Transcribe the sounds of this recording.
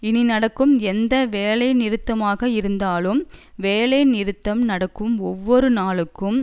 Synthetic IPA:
ɪninɐɽɐkːɯmɛnd̪ɐʋeːlɐɪnɪɾɯt̪ːɐmaːɣɐɪɾɯnd̪aːlɯmʋeːlɐɪnɪɾɯt̪ːɐmnɐɽɐkːɯmɔʋːɔɾɯnaːɭɯkːɯm

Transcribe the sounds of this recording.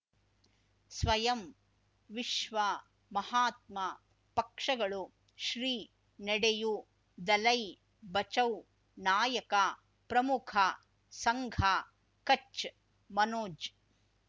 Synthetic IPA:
sʋɐjɐm | ʋiʃʋɐ | mɐhaːt̪mɐ | pɐkʂɐɡɐɭu | ʃɾiː | nɛɽeju | d̪ɐlɐj | bɐt͡ʃɐw | naːjɐkɐ | pɾɐmukʰɐ | sɐŋɡʱa | kɐt͡ʃ | mɐnoːd͡ʒ

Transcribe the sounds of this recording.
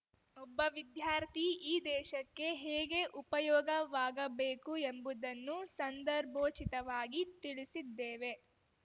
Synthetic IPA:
ɔbːɐʋid̪jaːɾt̪ʰiiːd̪ɛːʃɐkːe̞ɦeːɡe̞ʔupɐjɔːɡɐʋaːɡɐbeːkuembud̪ɐnːusɐnd̪ɐɾbʱoːt͡ʃit̪ɐʋaːɡit̪iɭisid̪ːeːʋe̞

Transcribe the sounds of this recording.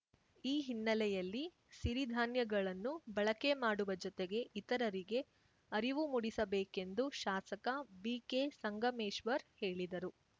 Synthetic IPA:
iːɦinːɐlɛjɐlːi | siɾid̪ʱaːnjɐɡɐɭɐnːubɐɭɐke̞maːɽuʋɐd͡ʒɔt̪eɡe̞ʔit̪ɐɾɐɾiɡe̞ | ɐɾiʋumuɽisɐbeːke̞nd̪uʃaːsɐkɐbiːkesɐŋɡʱɐmeːʃʋɐɾhe̞ːɭid̪ɐɾu

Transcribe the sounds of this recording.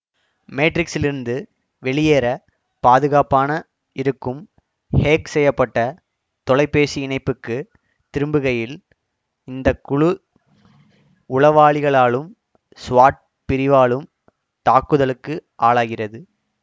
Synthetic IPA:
meːʈɾɪksɪlɪɾɯnd̪ɯ | ʋɛɭɪjeːɾɐ | paːðɯɣaːpaːnɐ | ɪɾɯkːɯm | heːksɛjːɐpːɐʈːɐ | t̪ɔɭɐɪpːeːsiɪɳɐɪpːɯkːɯ | t̪ɪɾɯmbɯɣɐjɪl | ɪnd̪ɐkːʊɻʊ | ʊɭɐʋaːɭɪɣɐɭaːɭɯm | sʋaːʈ̚ | pɪɾɪʋaːɭɯm | t̪aːkːɯðɐlɯkːɯʔaːɭaːɣɪrɐðɯ

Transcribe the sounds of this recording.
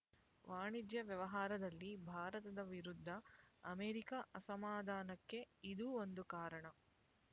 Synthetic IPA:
ʋaːɳid͡ʒjɐʋjɐʋɐɦaːɾɐd̪ɐlːibʱaːɾɐt̪ɐd̪ɐʋiɾud̪ʱːɐːmeːɾikɐʔɐsɐmaːd̪ʱaːnɐkːe̞id̪uːond̪ukaːɾɐɳɐ

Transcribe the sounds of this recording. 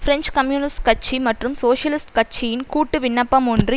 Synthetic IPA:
fɾɛnd͡ʒkɐmjuːnɪsʈkɐt͡ʃːimɐʈrɯmsoːʂjɐlɪsʈkɐt͡ʃːijɪnkuːʈːɯʋɪnːɐpːɐmɔndri

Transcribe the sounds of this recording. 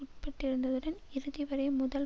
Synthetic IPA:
ʊʈpːɐʈːɪɾɯnd̪ɐðɯɽɐnɪɾɯðɪʋɐɾɐɪmʊðɐl

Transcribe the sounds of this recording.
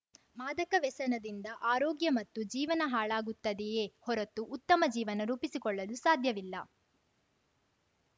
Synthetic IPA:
maːd̪ɐkɐʋɛsɐnɐd̪ind̪ɐʔaːɾɔːɡjɐmɐt̪ːud͡ʒiːʋɐnɐɦaːɭaːɡut̪ːɐd̪ɛjeːhɔɾɐt̪uʔːt̪ːɐmɐd͡ʒiːʋɐnɐɾuːpisikɔɭːɐlusaːd̪ʱjɐʋilːɐ

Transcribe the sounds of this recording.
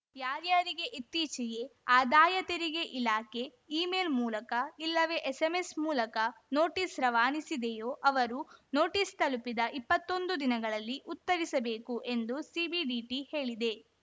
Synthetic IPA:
jaːɾjaːɾiɡe̞ʔit̪ːiːt͡ʃɛje̞aːd̪aːjɐt̪ɐɾiɡe̞ʔilaːke̞ | iːmeːlmuːlɐkɐilːɐʋe̞ːʔesemesmuːlɐkɐnoːʈisɾɐʋaːnisid̪ejoːʔɐʋɐɾuno̞ːʈist̪ɐlupid̪ɐʔipːɐt̪ːo̞nd̪ud̪inɐɡɐɭɐlːiʔut̪ːɐɾisɐbe̞ːkuʔe̞nd̪usibiɖiːʈihe̞ːɭid̪e̞

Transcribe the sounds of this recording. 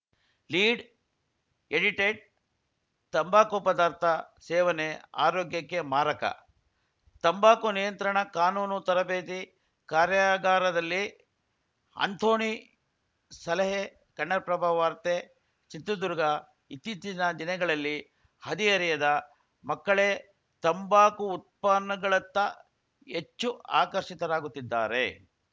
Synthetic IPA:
liːɖ | eɽiʈeːɖ̚ | t̪ɐmbaːkopɐd̪aːɾt̪ʰɐsɛːʋɐnea̰ːɾoːɡjɐkːemaːɾɐkɐ̰ | t̪ɐmbaːkunijɐnt̪ɾɐɳɐkaːnuːnut̪ɐɾɐbeːt̪̬i | kaːɾjaɡaːɾɐd̪ɐlːi | ɐ̰nt̪ʰoːɳi | sɐlɐɦe | kɐɳːɐɾpɾɐbʱaːɐʋaːɾt̪e | t͡ʃit̪ɾud̪uɾuɡɐ | it̪ːit̪inɐd̪inɐɡɐɭɐlːi | hɐd̪iɐɾijɐd̪ɐ | mɐkːɐɭe | t̪ɐmbaːkuːt̪̚paːɐɡɐɭɐt̪ːɐ | et͡ʃːua̰ːkɐɾʂit̪ɐɾaːɡut̪ːid̪ːa̰ːɾḛ

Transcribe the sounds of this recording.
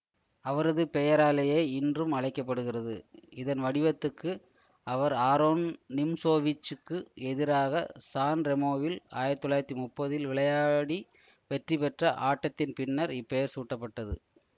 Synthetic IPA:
ɐʋɐɾɐðɯpɛjɐɾaːlɐjeːɪndrɯmɐɻɐɪkːɐp̬ːɐɽɯɣɪrɐðɯ̰ɪðɐnʋɐɽɪʋɐt̪ːɯkːɯ | ɐʋɐɾaːɾoːnnɪmsoːʋɪt͡ʃːɯkːɯɛðɪɾaːɣɐsaːnɾɛmoːʋɪla̰ːjɪɾɐt̪ːɔlːaːjɾɐt̪ːimʊpːɐðɪlʋɪɭɐjaːɽi | ʋɛʈripɛʈrɐʔa̰ːʈːɐt̪ːɪnpɪnːɐɾɪpːɛjɐɾsuːʈːɐpːɐʈːɐðɯ̰

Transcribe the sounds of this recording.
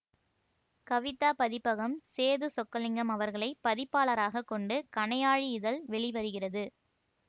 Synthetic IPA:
kɐʋɪt̪ːaːpɐðɪpːɐɣɐmseːðɯsɔkːɐlɪŋɡɐmɐʋɐɾɣɐɭɐɪpɐðɪpːaːlɐɾaːɣɐkːɔɳɖɯkɐɳɐjaːɻiɪðɐlʋɛɭɪʋɐɾɯɣɪrɐðɯ

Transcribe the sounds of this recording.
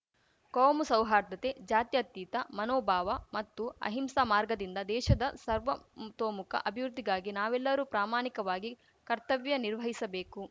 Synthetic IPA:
koːmusɐwɦaːɾd̪ɐt̪ed͡ʒaːt̪jɐt̪jit̪ɐmɐnɔːbʱaːʋɐmɐt̪ːuɐ̰ɦimsamaːɾɡɐd̪ind̪ɐd̪ɛːʃɐd̪ɐsɐɾʋɐt̪oːmukʰɐ̰ʔɐbʱiʋɾud̪ʱːiɡaːɡinaːʋɛlːɐɾuːpɾaːmaːnikɐʋaːɡi | kɐɾt̪ɐʋjɐniɾʋɐɦisɐbeːku

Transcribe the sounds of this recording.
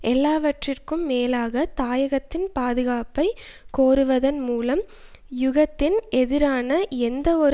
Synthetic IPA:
ʔɛlːaːʋɐʈrɪrkɯmːeːlaːɣɐt̪aːjɐɣɐt̪ːɪnpaːðɯɣaːpɐɪ | koːɾɯʋɐðɐnmuːlɐm | jʊɣɐt̪ːɪnɛðɪɾaːnɐɛnd̪ɐɔɾ

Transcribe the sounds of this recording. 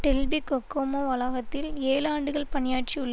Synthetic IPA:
ʈɛlbikɔkːoːmoʋɐlaːɣɐt̪ːɪleːlaːɳɖɯɣɐɭpɐɳɪjaːʈ̚t͡ʃiʊɭːɐ

